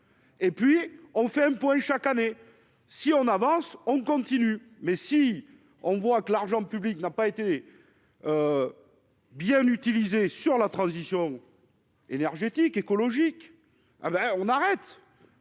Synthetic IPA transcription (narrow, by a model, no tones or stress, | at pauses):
epɥiɔ̃fɛɛ̃pwɛ̃ʃakane | siɔ̃navɑ̃sɔ̃kɔ̃t̪iny | mɛsi | ɔ̃vwakəlaʁʒɑ̃pybliknapaet̪e | ø | bjɛ̃nyt̪ilizesyʁlat̪χɑ̃zisjɔ̃ | enɛʁʒet̪ikekɔlɔʒik | ḛbɛɔ̃naʁɛt̪